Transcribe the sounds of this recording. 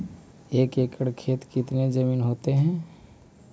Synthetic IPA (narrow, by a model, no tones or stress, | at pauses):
eːkekʰəɽkʰeːt̪kɪt̪ned͡ʒəmiːnɦoːt̪eɦɛ̃